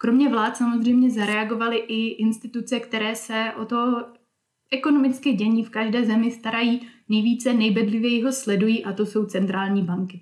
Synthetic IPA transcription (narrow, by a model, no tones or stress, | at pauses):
kɾo̞mɲɛvlaːt̪samo̞zr̝ɛjmɲɛzaɾɛaɡo̞valɪʔɪʔɪnst̪ɪt̪ut͡sɛkt̪ɛɾɛːsɛʔo̞t̪o | ʔɛkono̞mɪt͡skɪɟɛɲiːfkaʒdɛːzɛmɪst̪aɾajiːnɛjviːt͡sɛnɛjbɛdlɪvjɛjiɦo̞slɛdujiːʔat̪o̞so̞wt͡sɛnt̪ɾaːlɲiːbaŋkɪ